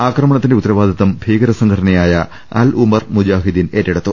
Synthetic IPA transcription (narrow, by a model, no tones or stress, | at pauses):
aːkrɐmɐɳɐt̪ːindeut̪ːɐɾɐʋaːd̪ʱiðɐmbʱiːɡɐɾɐsɐŋɡʰɐɽɐnɐjaːjɐ | ɐ̰lumɐrmud͡ʑaːɦid̪ineːtːeɽut̪ːu